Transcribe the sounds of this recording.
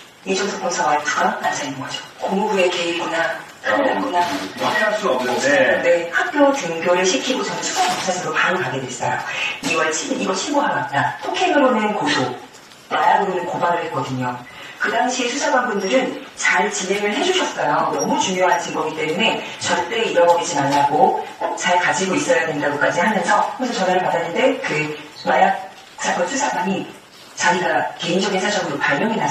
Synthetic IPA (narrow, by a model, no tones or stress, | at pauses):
id͡ʑʌŋsʰʌk͈omsʰawaetuɡanat͈ad͡ʑainɯŋɡʌd͡ʑo̥komubue̞keiɡoɲa | kʰaɡanɡoɲa | sine̞hak̚k͈jot͡ɕuŋɡjʌɾɯɭɕʰikʰiɡot͡ɕʌnɯnsʰu̥sʰapʌt͡ɕ͈ʰasʰɯɾopaɾokaɡe̞dwes͈ʌ̰jo̰iwaɭt͡ɕʰimiiɡʌɕʰiɭboɦaɡat̚t͈atʰokʰeɡɯɾonenkodo | taaɡominɯnkobaɾɯɭhet̚k͈ʌdɯɲo | kɯdaŋɕʰiesʰusʰaɡwanbundɯɾɯnt͡ɕaɭt͡ɕimeŋɯɭɦe̞d͡ʑuɕʰʌs͈ajonʌmut͡ɕuŋjoɦant͡ɕʰinɡʌɡit͈e̞mune̞t͡ɕʌɾt͈e̞ːiɾʌɡʌɡed͡ʑimaɲaɡokok̚t͡ɕaɭkad͡ʑiɡois͈ʌjadwe̞ndaɡok͈ad͡ʑihamʌnsʰʌɯesʰʌt͡ɕʌneɾɯɭpadanːɯnde̞kɯmajak̚ | t͡ɕʰaɡʌsʰusʰaɡwaŋi | t͡ɕaɡiɡake̞ind͡ʑʌɡinsʰʌt͡ɕʌmdopaɭmjʌŋina